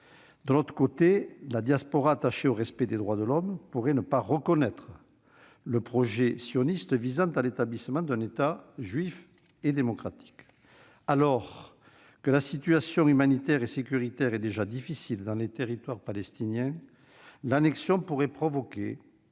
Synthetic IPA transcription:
d̪əlɔt̪χə̥kot̪elad̪jaspɔʁaːt̪aʃeoʁɛspɛd̪ed̪ʁwad̪əlɔmpuʁɛnəpaʁəkɔnɛt̪χə | ləpχɔʒesjɔnist̪əvizɑ̃t̪alet̪ablisəmɑ̃d̪ɛ̃net̪aʒɥif | ed̪emɔkχat̪i̥k | alɔʁ | kəlasit̪yasjɔ̃ymanit̪ɛʁesekʲyʁit̪ɛʁed̪eʒad̪ifisild̪ɑ̃let̪eʁit̪waʁpalɛst̪injɛ̃ | lanɛksjɔ̃puʁɛpχɔvɔke

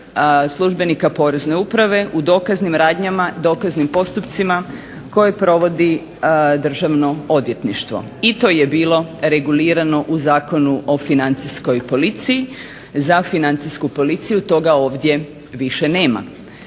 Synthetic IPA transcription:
slˠuʒbe̞nikapo̞ːɾe̞zne̞upɾaʋe̞ʔud̪o̞ːkaznimɾaːd̪ɲamad̪o̞ːkaznimpo̞st̪upt̪sima | ko̞je̞pɾo̞ʋo̞d̪i | d̪r̩ʒaʋno̞od̪ʋje̞t̪niʃt̪ʋo̞̰ | it̪o̞je̞biːlo̞ɾe̞ɡuliːɾano̞ʔuzaːko̞nuʔo̞finant̪sisko̞jpo̞lit̪siji | zafinant̪siskupo̞lit̪sijut̪o̞ɡao̞ːʋd̪ʲje̞ | ʋiʃe̞ne̞ːma̰

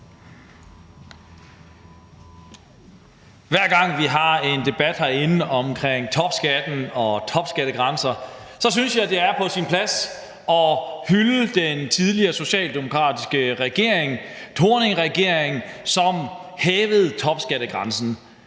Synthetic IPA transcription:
ʋæɐ̰ɡ̥ɑ̈ŋ̰ʋiɦɑ̈e̝nd̥e̝b̥æd̥hɑe̝nɒ̽mkʰʁɛŋ̰t͡sʰɒ̽b̥sɡ̥æd̥n̩ɒ̽t͡sʰɒ̽b̥sɡ̥æɾəɡ̥ʁɑ̈nsɐ | sɒ̽s̬ynsjɑ̈ɪd̥e̝æɐpʰɒ̽sinpʰlæs | ɒ̽hyləd̥ent͡sʰið̞ˠliɐso̝ɕɛ̰ːld̥emo̝kʰʁɑ̰̈ːdisɡ̥əʁɛɡ̥e̝ɐ̰eŋt͡sʰo̝ːɐne̝ŋʁɛɡ̥e̝ɐ̰eŋsɒ̽mheːʋð̞̩ˠt͡sʰɒ̽b̥sɡ̥æɾ̥əɡ̥ʁɑ̈nsn̩

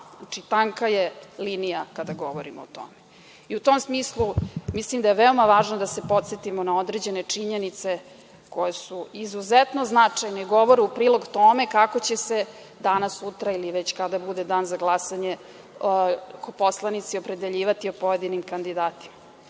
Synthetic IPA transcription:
at͡ʂit̪aŋkajelinijakad̪aɡoʋoɾimoːt̪o̰me | iut̪omsmiːslˠumislimd̪ajeʋeo̞maʋaːʒnod̪ase̞po̞t̪set̪imonao̞d̪ɾed͡ʑene̞t͡ʂiɲenit̪se̞ | ko̞jesuizuzet̪no̞znat͡ʂajneiɡo̞ʋo̞ɾeupɾiːlˠo̞ɡt̪ome̞kakot͡ɕese | d̪anasut̪ɾailiʋet͡ɕkad̪abud̪ed̪aːnzaɡlˠasaɲe | koposlˠanit̪siopɾe̞d̪e̞ʎiːʋat̪iopo̞je̞d̪inimkand̪id̪aːt̪i̥ma

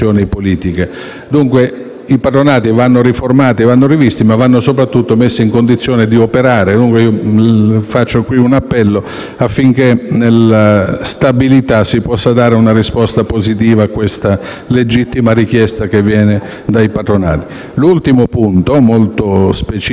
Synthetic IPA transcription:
jɔːnipoliːt̪ike | d̪uŋkwe | ipat̪ɾonaːt̪ivanːoriformaːt̪ivanːoɾivist̪imavːanːosop̬ɾat̪ːut̪ːomesːiŋkond̪it̪sːjɔːned̪iopeɾaːɾed̪uŋkweiːo | fat͡ʃːokwiunapːɛlːo | afːiŋk̟enelast̪abilit̪asːipɔsːad̪aːɾeunarispɔst̪apozit̪iːvaːkːwest̪a | led͡ʒit̪ːimaɾik̟jɛst̪ak̟evːjɛːne | d̪ajpat̪ɾona̰ːt̪i̥ | lult̪imopunt̪omolt̪ospet͡ʃ

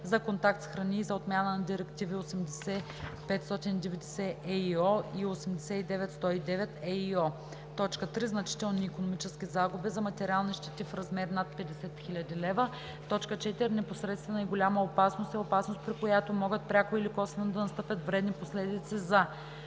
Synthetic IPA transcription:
zɐkont̪ak̚t̪sxɾɐniːzɐot̪mʲjanənɐd̪iɾɛkt̪iviosɛmd̪ɛsɛ | pɛt̪st̪ɔt̪inid̪ɛvɛd̪ɛsɛʔɛiɔiosɛmd̪ɛsɛid̪ɛvɛt̪st̪ɔid̪ɛvɛt̪ɛiɔ | t̪ɔt͡ʃkət̪ɾiznɐt͡ʃi̥t̪ɛlˠniːkonomit͡ʃɛskʲizaɡubɛzɐmɐt̪ɛɾialˠniʃt̪ɛt̪ifɾɐzmɛɾnat̪̚pɛd̪ɛsɛt̪xilʲɐd̪ilɛvə | t̪ɔt͡ʃkət͡ʃɛt̪iɾnɛposɾɛt̪st̪vɛnɐiɡolʲamɐopasnost̪ɛopasnost̪̚pɾikojat̪omɔɡət̪̚pɾʲakoilikɔsvɛnod̪ɐnɐst̪ɤpʲjət̪vɾɛd̪niposlɛd̪it̪sizɐ

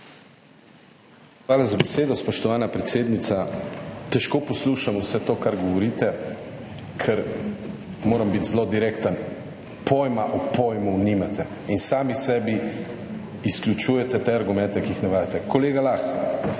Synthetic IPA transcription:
xʋaːlazabɛseːd̪ɔspɔʃt̪ɔʋaːnapɾɛt̪seːd̪nit̪sat̪ɛʃkoːpɔsluːʃamusɛt̪oːkaɾɡɔʋɔɾiːt̪ɛ | kʰɛɾ | moːɾambit̪zlod̪iɾekt̪ən | pʰojmaʔɔpojmunimat̪ɛ | insaːmisɛːbi | isklʲjut͡ʃuːjɛt̪ɛt̪eaɾɡumɛ̃nt̪ɛkijixnɛʋaːjat̪ɛkɔleːɡalax

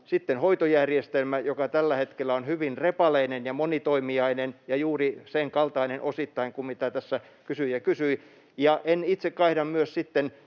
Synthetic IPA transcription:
sit̪ːenhoit̪ojærjest̪elmæjokɑt̪ælːæhet̪kelːˑæonhyʋinrepɑleinenjɑmonit̪oimiɑinenjɑjuːriseŋkɑlt̪ɑinenʔosit̪ːɑiŋkummit̪æt̪æsːæ | kysyijɑkysyi | jɑʔenit̪sekkɑihdɑmmyøssit̪ːen

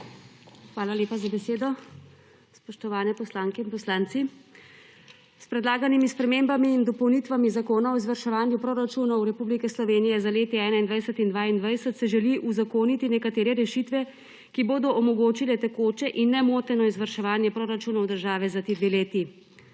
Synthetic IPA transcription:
xʋaːlaleːpazabɛseːd̪ɔ | spɔʃt̪ɔʋaːnɛpɔslaːŋkɛinpɔslaːnt̪si | spɾɛd̪laːɡanimispɾɛmembamiːnd̪ɔpɔwnit̪ʋamizakoːnaɔizʋəɾʃɛʋaːnjupɾoɾat͡ʃuːnɔwɾɛpublikɛslɔʋeːnijɛzaleːt̪iɛːnaind̪ʋajsət̪ind̪ʋaːind̪ʋajsət̪sɛʒɛliʔuzakoːnit̪inɛkat̪eːɾɛɾɛʃit̪ʋɛ | kiboːd̪ɔʔɔmɔɡoːt͡ʃilɛt̪ɛkoːt͡ʃɛʔinːɛmoːt̪ɛnɔizʋəɾʃɛʋaːnjɛpɾoɾat͡ʃuːnawd̪əɾʒaːʋɛzat̪ed̪ʋeleːt̪i

